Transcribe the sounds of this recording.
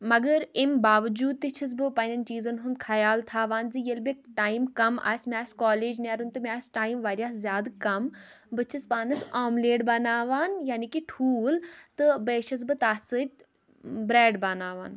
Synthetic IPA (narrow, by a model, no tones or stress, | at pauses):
mɐɡəɾimbaːʋd͡ʒuːd̪̚t̪it͡ʃʰis̬bɨpɐːnʲɐnt͡ʃiːzɐnɦund̪kʰɐjaːlt̪ʰaːʋaːnzijelbeʈaːimkɐma̰ːsmʲaːskaːleːd͡ʒnaːɾunt̪ɨmʲaːsʈaːjimʋaːɾjaːszjaːd̪kɐm | bɨt͡ʃʰispaːnɐsaːmleːɖbɐnaːʋaːnjaːnikiʈʰuːlt̪ɨbeːʃʰɐs̬bɨt̪aːsɨt̚ʲ | bɾeːɖbɐnaːʋaːn